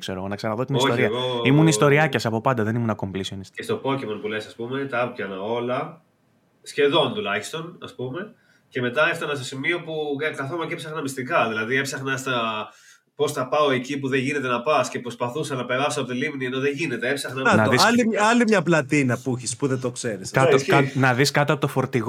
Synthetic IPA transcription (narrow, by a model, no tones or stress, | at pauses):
kseɾoɣonɐksɐɾɐnɐðot̪inioçoɾiɐɣoimunist̪o̞ɾiɐcɐsɐpo̞pɐnd̪ɐðe̞nimunɐko̞mplisionisest̪o̞po̞cemonpulesɐspume̞t̪ɐɐpjɐnɐo̞lɐ | sçe̞ðo̞nt̪ulɐçi̥st̪o̞nɐspume̞ | ce̞me̞t̪ɐeft̪ɐnɐst̪o̞simio̞pukɐθomɐcepsɐxnɐmist̪ikɐðilɐðiepsɐxnɐst̪ɐ | po̞sθɐpɐo̞e̞cip̬uðeʝine̞t̪e̞nɐpɐsce̞pɾo̞spɐθusɐlɐpe̞ɾɐsoɐpo̞t̪ilimnieno̞ðeʝine̞t̪e̞epsɐxnɐɐnðiɐliɐlimɲɐplɐt̪inɐpuçispuðet̪o̞kse̞ɾisɐnɐðiskɐt̪oɐpot̪ofo̞ɾt̪iɣ